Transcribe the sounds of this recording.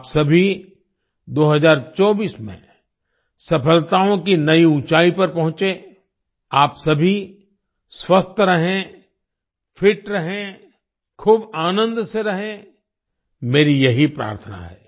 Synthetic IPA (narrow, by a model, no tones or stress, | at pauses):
apsɐbʱi | d̪oːɦɐzaːɾt͡ʃɔːbiːsmḛ̃ | sɐpʰəlt̪aːõkinɐiũːt͡ʃaːipɐɾpɐɦʊ̃t͡ʃe | aːpsɐbʱi | swɐst̪ʰɾɐɦẽ | fʰɪʈɾɐɦẽ | kʰuːbaːnə̃nd̪seɾɐɦẽ | meːɾijɐɦipɾa̰ːɾt̪ʰəna̰ɦɛ̰ː